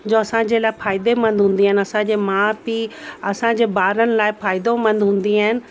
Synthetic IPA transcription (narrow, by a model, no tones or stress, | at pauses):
d͡ʑoːɐsãd͡ʑelaːɪfaːɪd̪emɐ̃nd̪ʱɦũːnd̪iɦaːɦɪnɪɐsãd͡ʑeːmãpiɐsãd͡ʑeːbaːɾənɪ̆laːɪfaːɪd̪omɐ̃nd̪ʱɦũːn̆d̪iaːɦɪnɪ̆